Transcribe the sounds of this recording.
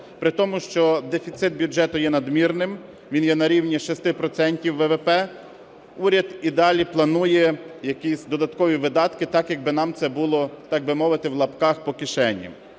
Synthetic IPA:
pɾɪt̪ɔmʊʃt͡ʃɔd̪efʲit̪sɪt̪̚bʲjud͡ʒɛt̪ʊjɛnɐd̪mʲirnɪm | ʋʲinjɛnɐɾʲiwnʲiʃɔst̪ɪpɾɔt̪sɛnʲtʲiwːɛʋɛpɛ | uɾʲɐd̪id̪ɑlʲiplˠɐnujɛjɐkʲisʲd̪ɔd̪ɐt̪kɔʋʲiʋɪd̪ɑt̪kɪt̪ɑkjɐɡ̚bɪnɑmt̪sɛbulˠɔt̪ɑɡ̚bɪmɔʋɪt̪ɪwlˠɐpkɑxpɔkʲɪʃɛnʲːɐ̰

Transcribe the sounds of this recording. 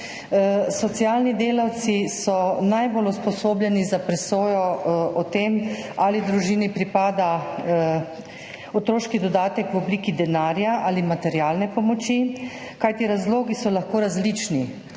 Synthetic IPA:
sɔt̪sijaːlnid̪eːlawt̪sisɔnajboluspɔsoːbljɛnizapɾɛsoːjɔʔɔt̪emalid̪ɾuʒiːnipɾipaːd̪a | ɔt̪ɾoːʃkid̪ɔd̪aːt̪ɛkwɔbliːkid̪ɛnaːɾjaʔalimat̪ɛɾjaːlnɛpɔmɔt͡ʃi | kajt̪iɾazloːɡisɔlaxkoːɾazlit͡ʃni

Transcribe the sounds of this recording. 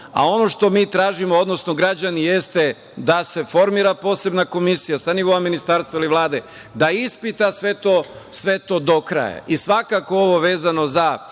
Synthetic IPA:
a̰o̞no̞ʃt̪o̞miːt̪ɾaːʒimood̪no̞sno̞ɡɾad͡ʑanije̞st̪e̞ | d̪ase̞fo̞ɾmiːɾapo̞ːse̞bnako̞misijasaniʋo̞ːaminist̪aɾst̪ʋailiʋlˠaːd̪e̞ | d̪aispit̪asʋe̞t̪oː | sʋe̞t̪o̞ːd̪o̞kɾa̰ja̰ʔisʋakako̞oʋo̞ʋe̞ːzano̞za

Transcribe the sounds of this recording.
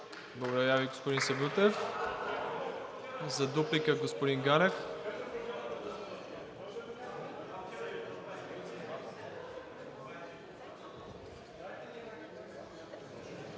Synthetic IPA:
blˠɐɡod̪ɐɾaviɡospod̪insɛbut̪ɛf | zɐd̪uplikəɡospod̪iŋɡaɾɛf

